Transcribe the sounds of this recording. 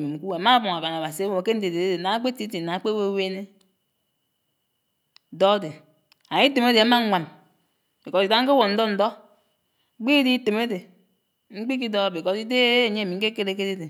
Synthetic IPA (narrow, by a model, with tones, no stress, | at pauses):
mi˨ŋ͡m̩˨ku˦e˨a˨ma˦bɔ˨ŋa˨ba˨na˨ba˨si˨e˦wo˨˦ke˦n̩˦de˨de˨de˦de˨na˨˦k͡pe˦ti˦ti˨na˨˦k͡pe˦we˦we˦ne˦˨ | dɔ˦de˨ | a˨ji˦te˨me˦de˨a˨˦ma˦ŋʷa˨m | e˨kɔ˨ti˨da˦ŋ̩˦ke˦wo˨n̩˦dɔ˦n̩˨dɔ˦ | k͡pi˦di˦te˨me˦de˨ | ŋ͡m̩˦k͡pi˦k̬i˦dɔ˦a˦˨be˨kɔ˦ti˦de˦˨ɲe˦˨mi˨ŋ̩˦ke˦ke˦ɾe˦ke˦de˦de˨